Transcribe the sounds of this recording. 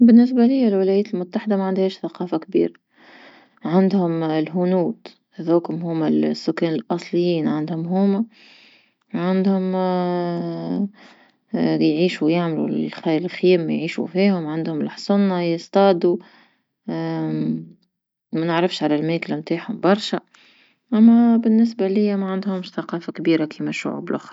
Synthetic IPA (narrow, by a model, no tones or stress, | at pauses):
bɪnːɪs̬bælɪjːalwɪlæjæːt̪ɪlmʊt̪ːaħɪd̪amæʕand̪hɛːʃθaqɑːfakbḭːɾa | ʕand̪hʊmlɦʊnuːd̪ | hðoːkʊmɦʊːmːalsːʊkːɛːnɪlʔɑsˤlɪjːiːnʕand̪hʊmɦuːma | ʕand̪hʊm | jʕiːʃujaʕmlṵxlxjæːmːjʕiːʃṵfiːhʊmʕand̪hʊmlħsˤʊnːɑjəst̪ˤɑːd̪u | mænəʕɾɑfʃʕalælmeːklamt̪aːħhʊmbɑɾˤʃæ | ʔæmːæbɪnːɪs̬bælɪjːæmæʕand̪hʊmʃθaqɑːfakbiːɾakʰiːmæʃʊ̰ʕṵːblʔʊ̰xɾˤ